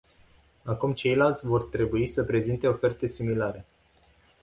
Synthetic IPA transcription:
akumt͡ʃe̞jlalt̪sʲvo̞rt̪ɾe̞buisəpɾe̞zint̪e̞o̞fe̞rt̪e̞similaɾe̞

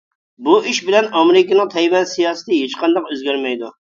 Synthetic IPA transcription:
buʔiʃbɪlɛnɑmeɾɪkʲinɨŋt̪ʰɛjwɛnsijɑːsɨ̥t̪ʰɨɦet͡ʃqɑnd̪ɑqøzɡʲæɾmɛjd̪u

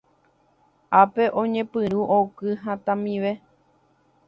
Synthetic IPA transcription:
ape̞ʔõɲẽ̞pɨɾuʔokɨɦãt̪ãmĩʋe

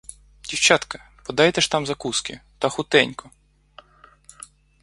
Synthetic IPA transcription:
dʲiwt͡ʃat̪kɐ | pɔd̪ɑjt̪ɛʃt̪ɑmzɐkuskʲɪ̰t̪ɐxʊt̪ɛnʲkɔ

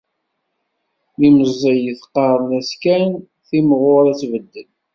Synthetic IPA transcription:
liməzˤːəjəθqːɑɾˤnæskæn | θimʁʊɾæt͡sːvəd̪ːən

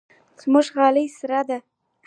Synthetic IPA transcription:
z̥mʊʒɣɑləjsɾad̪a

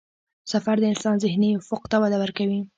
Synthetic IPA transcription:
safaɾd̪əɪnsɑnzɪhniʊfuqt̪awad̪awəɾkawi

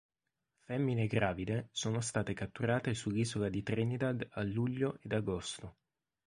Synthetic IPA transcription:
fɛmːineɡɾaːvid̪esoːnost̪aːt̪ekat̪ːuɾaːt̪esulːiːzolad̪it̪ɾinid̪ad̪alːuʎːoʔed̪aɡost̪o

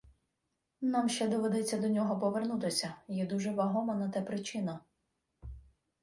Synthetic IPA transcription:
namʃt͡ʃɛd̪ɔʋed̪ɛt͡sʲːɐd̪ɔnʲɔɦɔpɔʋernut̪ɪsʲɐjɛd̪uʒɛʋɐɦɔmɐnɐt̪ɛpɾɪt͡ʃɪnɐ

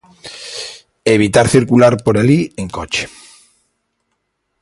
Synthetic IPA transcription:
eβ̞it̪aɾθiɾkulaɾpoɾalieŋkot͡ʃe̥

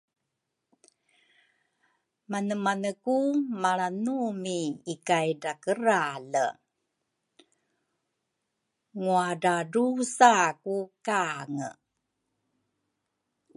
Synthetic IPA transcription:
manəmanəkumaɭanumiikajdakəɾalə̰ | ŋuadaɖusakukaŋə̰

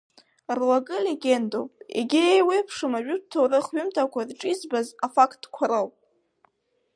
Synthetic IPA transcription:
rlaɡʼɨleɡʲe̞ndo̰pʼḛɡʲiejwepʰʂɨmaʒᶣʊdtʰowrɨχɥʏmtʰakʷʰadʈ͡ʂʼizbazafakʰt̚ʰːkʷʰaɾɨwpʼ

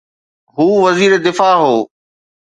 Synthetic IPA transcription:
ɦuːʋɐziːɾed̪ɪfaːɦoː

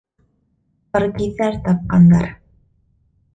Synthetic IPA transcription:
ɤ̆ɾɡiθæɾt̪ɑp̚qɑnːɑ̰ɾ

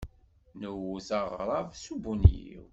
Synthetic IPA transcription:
nəwuzɑʁɾˤɑvsubunjḭḭw

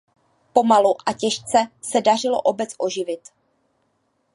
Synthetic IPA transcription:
po̞maluʔacɛʃt͡sɛsɛdar̝ɪloʔo̞bɛt͡sʔo̞ʒɪvɪt̪

